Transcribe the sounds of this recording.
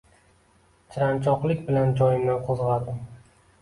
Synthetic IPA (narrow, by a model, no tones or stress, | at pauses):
t͡ʃʰɪɾant͡ʃʰɒqlˠɪkʲbɪland͡ʒɒjɪmnaqʰozʁɑd̪ɪm